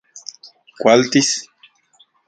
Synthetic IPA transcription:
kwalt̪is

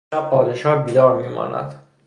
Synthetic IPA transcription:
æpʰɒːd̪eʃɒːhbiːd̪ɒːɾmiːmʔɒ̰ːnæ̰d̪̥

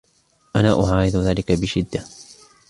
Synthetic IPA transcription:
ʔanaːʔʊʕaːɾɪðʊðaːlɪkabɪʃɪd̪ːa

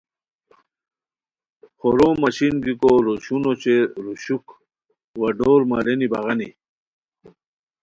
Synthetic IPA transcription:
χoɾomɐɕinɡikoɾoɕunot͡ɕeɾuɕuk | wɐɖoːɾmaɾeniba̰ɣɐni

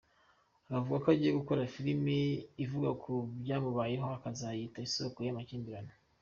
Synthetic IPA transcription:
akavuɡakoaɟijeɡuko̞ɾafiɾimiːvuɡakʰubɟaːmuβajeɦoakazajitaisokojamaciːnbiɾano

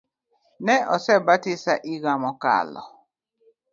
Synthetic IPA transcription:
nɛʔɔsɛbatisaʔiɣamɔka̰lɔ̰

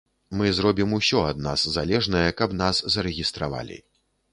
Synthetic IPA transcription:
mɨzɾɔbʲimusʲɔɐd̪na̰szalʲɛʐnɐjɛkɐbnaszɐɾɛɣʲist̪ɾa̰va̰lʲḭ

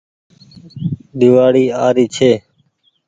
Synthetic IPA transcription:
ɗ̪ɪʋaːɽiːaːɾiːt͡ʃʰeː

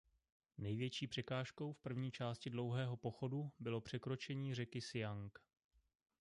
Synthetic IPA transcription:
nɛjvjɛt͡ʃiːpr̥ɛkaːʃko̞wfpr̩vɲiːt͡ʃaːscɪdlo̞wɦɛːɦo̞poxo̞dubɪlo̞pr̝̥ɛkɾo̞t͡ʃɛɲiːr̝ɛkɪsɪjaŋk

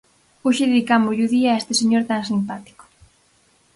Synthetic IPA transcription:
oʃɪðeðikamʊʎuðiaest̪eseɲoɾt̪aŋsimpat̪i̥ko̥

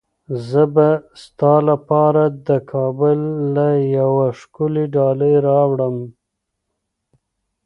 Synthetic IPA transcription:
zəbast̪ɑlapɑɾad̪əkʰɑbʊlːajawaʂkʊliɖɑləjɾɑwɽəm

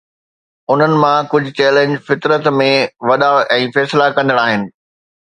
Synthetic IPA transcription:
ʊn̤ənɪ̆mãkʊd͡ʑʱʊt͡ɕɛːlẽɲd͡ʑfɪt̪ɾət̪mẽʋɐɗaʔɛ̃ːfɛːslakɐ̃nd̪əɽ̃aːɦɪnɪ̆

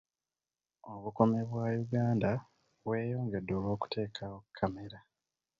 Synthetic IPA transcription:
o̞βuko̞meβwajuɡaːnda | βwe̞ːjo̞ːŋɡe̞dːo̞ːlo̞ːku̥te̞ːkʰawokʰːame̞ɾa

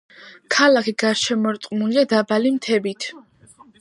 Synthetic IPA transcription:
kʰalakʰiɡaɾʃɛmɔɾt̪ʼqʼmuliad̪abalimt̪ʰɛbit̪ʰ

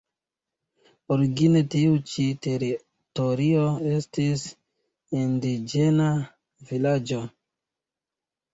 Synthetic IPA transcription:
oɾiɡine̞tiut͡ʃiteɾi | toɾio̞e̞stis | indid͡ʒena | vilad͡ʒo̞

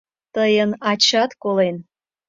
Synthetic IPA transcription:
t̪əjənɑt͡ɕɑt̪kolen

